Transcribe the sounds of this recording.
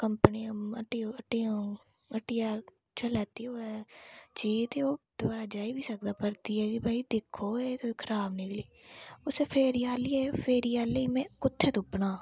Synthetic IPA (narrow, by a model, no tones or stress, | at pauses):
kəmpəniəməʈioəʈiõː | əʈɪjaː | t͡ʃəlaːt̪ioɛːt͡ʃiːt̪ʰeoːd̪̥ʊbaːɾad͡ʒaːibʱisək̚d̪aːpəɾt̪iɦɛːɡibʱaːid̪ɪkʰːoet̪okʰəɾaːbnɪkliː | ʊsepʰeːɾijaːliɛfeːɾijaːleimɛ̃kʊt̪ʰːet̪ʊpnaː